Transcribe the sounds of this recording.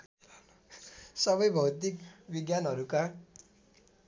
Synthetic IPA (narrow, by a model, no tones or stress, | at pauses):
sʌbʌjbʱʌwt̪ikbiɡjanɦʌɾuka